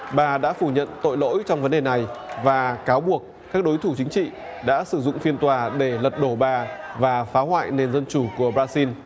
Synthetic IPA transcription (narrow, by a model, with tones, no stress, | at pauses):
ɓaː˨˩ɗa̰ː˧˥fu˧˩ɲə̰˧˨nt̪o̰˧˨jlo̰˧˥jt͡ɕɔ˧wŋ͡mvə˨˦nɗe˨˩na˨˩jvaː˨˩kaː˨˦wɓu˨˩ək̚ːaː˦˥k̚ɗo˨˦jt̪ʰu˧˩t͡ɕï˨˦ŋ̟t͡ɕḭ˧˨ | ɗa̰ː˧˥sɨ˧˩zʊ̰˧˨ŋ͡mfi˧ənt̪waː˨˩ɗe˧˩lə˨˩t̚ɗo˧˩ɓaː˨˩vaː˨˩faː˨˦ɦwa̰ː˧˨jne˨˩nzə˧nt͡ɕu˧˩ku˧˩əɓɾaː˧si˧n